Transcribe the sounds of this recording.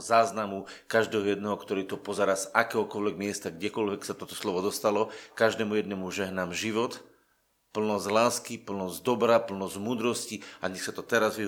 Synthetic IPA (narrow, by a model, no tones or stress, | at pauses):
zaːznamukaʒd̪ɛːɦɔjɛd̪nɛɦɔkt̪ɔɾiːt̪ɔpɔzɛɾaːsakɛːɦɔkɔlʋɛɡmɪɛst̪aɡɟɛkɔlʋɛksat̪ɔt̪ɔ̥slɔʋɔd̪ɔst̪alɔkaʒd̪ɛːmujɛd̪nɛmuʒɛɦnamʒiʋɔt̪ | pl̩nɔzlaːskipl̩nɔzd̪ɔbɾapl̩nɔzmuːd̪ɾɔsciaɲɛxsat̪ɔt̪ɛɾazʋi